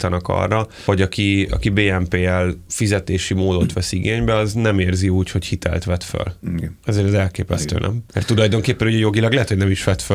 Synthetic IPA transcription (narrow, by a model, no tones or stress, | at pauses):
t̪ɒnɒkɒ̰rːɒ | ho̞ɟɒkiɒ̰kibeːɛmpeːɛlfizɛt̪eːʃimoːd̪ot̪ʋɛsiɡeːɲbɛɒznɛmeːrziuːcho̞chit̪ʰɛ̰lt̪ʋɛt̪fø̰lɛzeːɾɛzɛlkeːpɛst̪ø̰ːnʔɛ̰mmɛrt̪ːulɒjd̪o̞ŋkeːpːɛnuɟɛjo̞ɡilɒɡlɛɦɛt̪hoɟnɛmiʃʋɛt̪fø